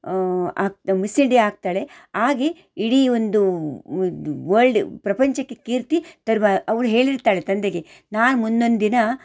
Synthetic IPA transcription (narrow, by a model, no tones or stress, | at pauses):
aːɡ̚misiɳɖiaːɡ̚t̪aːɭe̞ | aːɡe | iɽiond̪u | ʋɐɭɖpɾɐpɐɲt͡ʃɐkːe̞kiːɾt̪it̪ɐɾmaɐʋɐɽuɦe̞ːɭiɾt̪aːɭet̪ɐnd̪eɡe | naːnmund̪o̞nd̪d̪inɐ